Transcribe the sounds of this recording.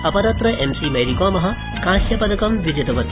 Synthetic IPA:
ɐpɐɾɐt̪ɾɐʔemsiːmɐjɾikoːmɐɦɐ̆ | kãːsjɐpɐd̪ɐkɐmʋid͡ʒɐd̪ɐʋɐt̪

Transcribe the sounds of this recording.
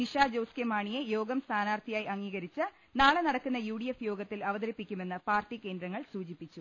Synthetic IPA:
niʂaːd͡ʑowskemaːɳijejo̞ːɡɐmst̪ʰaːnaːrt̪ʰijaːjɐŋːiːɣɐɾit͡ɕːɨ | naːɭenɐɽɐkːunːɐjuːɽijefjo̞ːɡɐt̪ːilɐʋɐðɐɾipːikʲːume̞nːɨpaːrʈːike̞ːnd̪ɾɐŋːɐɭsuːt͡ɕipːit͡ɕːu

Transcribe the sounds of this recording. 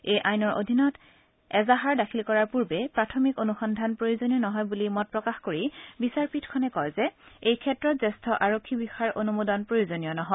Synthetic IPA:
ejʔajnɔɹʔo̰dʱinɔt | ɛzaɦaɹdakʰilkɔɹaɹpuɹbɛpɹatʰɔmikonuxɔndʱanpɹojozonijɔnɔɦɔjbulimɔt̚pɹɔkaxkoɹibisaɹpitʰkʰɔnɛkɔjzɛejkʰɛtɹɔtzɛstʰɔʔaɹokʰːibixaɹʔonumodɔnpɹojozonijɔnɔɦɔj

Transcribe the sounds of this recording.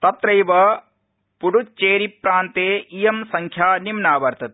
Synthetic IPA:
t̪ɐt̪ɾɐjʋɐ | puɽut͡ʃeːɾipɾaːnt̪eːijɐmsɐŋkʰjaːnimnaːʋɐɾt̪ʰɐt̪e

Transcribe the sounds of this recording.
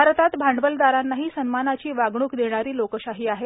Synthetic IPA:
aɾt̪at̪bʱaɳɖʋəld̪aɾanːaɦiːsənmanat͡ɕiːʋaɡɽ̃uːkd̪eɽ̃aɾiːlokəɕaɦiːaɦe

